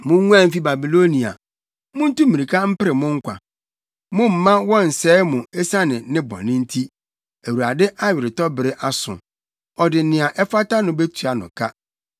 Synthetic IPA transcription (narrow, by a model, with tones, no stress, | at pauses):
mʊ̃˦ŋũ˦ã˦m̩˦fi˦ba˨bi˨lo˦nĩ˨a̰˨ | mʊ̃˦n̩˦tũ˦mĩ˨ɾi˨kʰa˦m̩˦pɪ˦ɾɪ˨mʊ̃˦ŋ̩˦kʷʰa̰˨ | mʊ̃˦m̩˨mã˦wɔ̃˦n̩˨sɛː˦mʊ̃˨e˦sa˦nɪ̃˨nɪ̃˦bɔ̰˨nɪ̃˦n̩˦tʰi˦ | e˨wu˨ɾa˨dɪ˦ʔa˦ɥɪ˨ɾɪ˨tɔ˦bɪ˨ɾɪ˦ʔa˨sʊ̰̃˨ | ɔ˨dɪ˨˦nɪ̃˨a˨ʔɛ˦fa˦ta˦nʊ̃˨be˦tʰu˨a˨nʊ̰̃˨kʰa˦